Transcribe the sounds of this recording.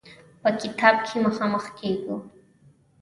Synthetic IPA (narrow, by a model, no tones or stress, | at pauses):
pakɪt̪ʰap̚kʰɪmaχamɑχkajkʊ